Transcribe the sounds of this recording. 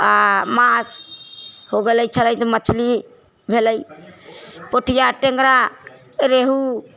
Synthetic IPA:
amas | ɦoɡeləjt͡ʃʰələjt̪ɔmət͡ʃʰli | bʱeləj | poʈʰijaʈeŋɡɾa | ɾeɦu

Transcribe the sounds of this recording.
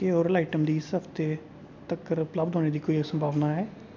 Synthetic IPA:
eːoːɾəlaːɪʈəmd̪iːɪsɦəpʰt̪eː | t̪əkəɾpləbd̪oːneːd̪iːkoːisəmbʱaːʋnaːɛː

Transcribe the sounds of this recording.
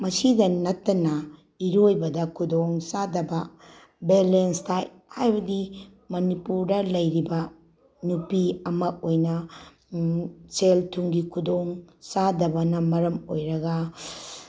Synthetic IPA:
mɐsidɐnɐtːɐnɐ | iɾojbɐdɐkʰudoŋsadɐbɐ | belenstʰaj | hajbɐdi | mɐnipuɾdɐlɐjɾibɐ | nupiɐmɐk̚ojnɐ | t͡ʃeltʰuŋɡikʰudoŋsadɐbɐnɐmɐɾɐmojɾɐɡɐ

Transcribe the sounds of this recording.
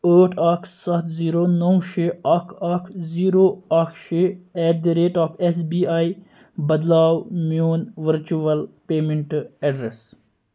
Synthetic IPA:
əːʈʰɐkʰsɐt̪ʰziːɾoːnowʃeːɐkʰɐkʰziːɾoːɐkʰʃeːɛːb̚d̪iɾeːʈɔːkʰes̬biːaːj | bɐd̪laːwmjuːnʋəɾt͡ʃuʋɐlpeːmiɳʈɛɖɾes

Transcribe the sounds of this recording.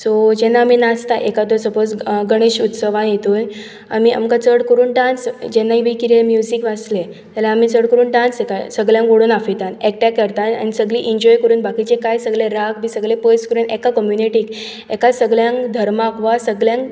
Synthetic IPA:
sod͡ʑɛnːaːminast̪aʔekat̪osəpod͡zɡəɽ̃iɕut̪səʋãnjet̪oj | a̰miʔa̰mkat͡səɽkəɾuːnɖansd͡ʑɛnːaɦibʱikiɾemjuzikʋasle | t̪alaːmit͡səɽkəɾuːnɖansɛkasəɡljãŋkoɽuːnafit̪ãnɛk̚ʈakːəɾt̪ana̰ñisəɡliːʔiɲd͡ʑɔjkəɾuːnbakit͡ɕekajsəɡleɾakbʱisəɡɭẽpojskəɾunekakɔmjuniʈiːk | ekasəɡljãŋkd̪ʱəɾmakʋasəɡljãŋk

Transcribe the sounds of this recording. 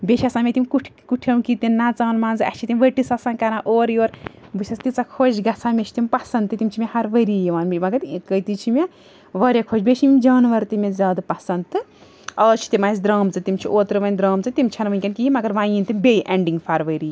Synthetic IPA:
bʲeʃʰiɐsaːnmʲet̪imʲkuʈʰkuʈʰemkit̪ʲinːat͡saːnmaːnzɨɐ̰t͡ʃʰit̪imʲʋəʈisɐsaːnkɐɾãʔoːɾjoːɾbɨt͡ʃʰɐst̪it͡sakʰoːd͡ʒɡɐt͡sʰaːmʲet͡ʃʰit̪imʲpɐsɐnd̪t̪ːɨt̪imʲt͡ʃʰimʲehɐɾʋəɾijiʋaːnimɐɡɐɾkəjt̪it͡ʃʰimʲe | ʋɐɾʲjakʰoːd͡ʒʲbʲeʃʰimʲid͡ʒaːnʋɐɾt̪ɨmʲezʲaːd̪ɨpɐsɐnd̪t̪ɨ | ɐːt͡ʃʰi̥t̪imasd̪ɾɐːmt͡sɨt̪imt͡ʃʰiʔoːt̪ɾɨʋɐnʲd̪ɾɐːmt͡sɨt̪imʲt͡ʃʰɐnʋɐnʲkʲɐnkijimɐɡɐɾʋãːjint̪ɨmʲbʲeiʔeɳɖiŋɡpʰaɾʋəɾij

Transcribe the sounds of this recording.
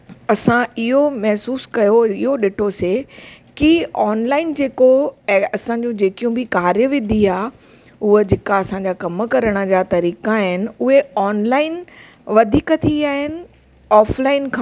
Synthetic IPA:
ɐsãɪɦomɐɦsuːskɐjoɪɦoɗɪʈʰosekiɔːnlaːɪnd͡ʑeːkoɛ̃ɐsãːɲ̆d͡ʑũd͡ʑeːkijũbɪkaːɾjəʋɪd̪ʱiaː | ʊɦəd͡ʑɪkaɐsãɲ̆d͡ʑaːkɐm̆kɐɾəɽ̃ə̆d͡ʑaːt̪ɐɾiːkaɦɪnɪ̆ʊɦeɔːnlaːɪn | ʋɐd̪ʱiːkət̪ʰiaːɦɪnɪ̆ | ɔːflaːɪnkʰãː

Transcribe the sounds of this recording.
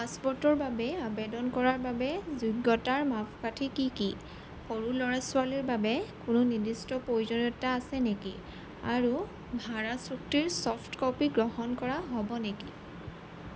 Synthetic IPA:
paspɔɹtɔɹbabɛabedɔnkɔɹaɹbabɛzuɡɔtaɹmapʰkatʰikiki | xoɹulɔɹasʊaliɹbabɛkʊnʊnidistɔpɹojuzɔnɔtːaːsɛneki | aɹu | bʱaɹasɹuktiɹsɔpʰtkɔpiɡɹɔɦɔnkɔɹaɦɔbɔneki

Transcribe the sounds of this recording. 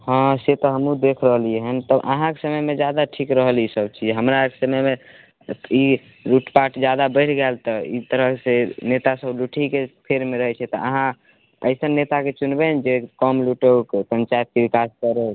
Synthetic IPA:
ɦɔ̃set̪ɔɦəmũd̪ekʰɾəɦəlieɦənt̪əʔə̰ɦãkesəməmed͡ʒjad̪aʈʰikɾəɦəlisəb̚t͡ʃʰid͡ʒɦəmɾakesəməjme | i | luʈʰpaʈd͡ʒjad̪abəɪʈʰɡelt̪ɔit̪əɾəɦsenet̪asəbluʈʰikepʰeɾmeɾəɦɛt͡ʃʰɛt̪ɔʔəɦã | əɪsənːet̪aket͡ʃunbend͡ʒekɔmluʈokpənt͡ʃaet̪̚kebikaskəɾe

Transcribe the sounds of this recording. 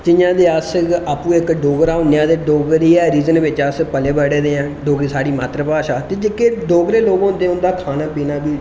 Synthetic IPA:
d͡ʒɪɲãːd̪eːəsaːpũːɪkɖoːɡɾaːɦʊnjãːd̪eːɖoːɡɾiːɛːɾiːzənʋɪt͡ʃəspəleːbəɽeːd̪eːãːɖoːɡɾiːsaːɽiːmaːt̪ɾəpaːʃaːt̪eːd͡ʒeːkeːɖoːɡɾeːloːɡɦõːnd̪eːʊnd̪aːkʰaːnəbiːnãːbiː

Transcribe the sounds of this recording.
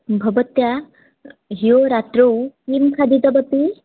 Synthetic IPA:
bʱɔbɔt̪ja | ɦioɾat̪ɾoɔwkimkʰad̪id̪ɔbɔt̪i

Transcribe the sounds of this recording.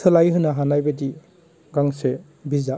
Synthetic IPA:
tʰɯlajɦɯnaɦanajbadi | ɡaŋse | biza

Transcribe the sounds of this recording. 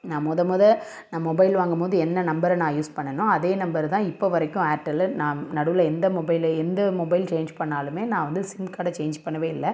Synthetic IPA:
nãːmɔðɐmoːðɐ | nãːmɔbɐɪlʋaːŋɡɐmpoːðɯɛnːɐnɐmbɐɾɐnãːjuːspɐɳːɐnʊ̃ɐðeːnɐmbɐɾt̪ãːɪpːoʋɐɾɐkːʊ̃aːɾʈːɐlnãːnɐɽɯʋlɐɛnd̪ɐmɔbɐɪlɛnd̪ɐmɔbɐɪlt͡ʃeːnd͡ʒpɐɳːaːlɯmeːnãːʋɐnd̪ɯsɪnkaːɽɐt͡ʃeːnd͡ʒpɐɳːɐʋeːɪlːɐ

